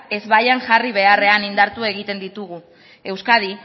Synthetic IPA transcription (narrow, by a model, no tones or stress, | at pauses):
e̞zβajaŋʝariβ̞e̞are̞anind̪aɾt̪ue̞ɣit̪e̞nd̪it̪uɣu | e̞wskað̞i